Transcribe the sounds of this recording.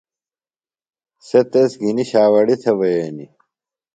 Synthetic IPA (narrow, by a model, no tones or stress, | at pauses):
set̪esɡiniɕaːwɐɽit̪ʰebɐjeːni